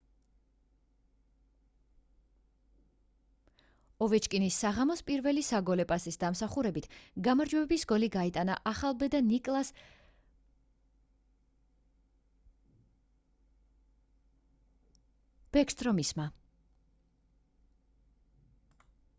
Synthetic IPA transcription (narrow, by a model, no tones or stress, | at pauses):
ɔvɛt͡ʃʰkʼinisːaʁamɔspʼiɾvɛlisaɡɔlɛpʼasisd̪amsaχuɾɛbit̪ʰɡamaɾd͡ʒwɛɛbisɡɔliɡait̪ʼana̰ʔaχalˠbɛd̪anikʼlˠas | b̥ɛkst̪ʼɾɔmisma